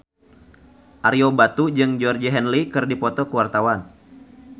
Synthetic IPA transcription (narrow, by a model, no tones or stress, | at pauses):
ʔaɾiobat̪ud͡ʒɨŋd͡ʒɔrd͡ʒiɦɛnlikɨrdipɔt̪ɔkəwart̪awan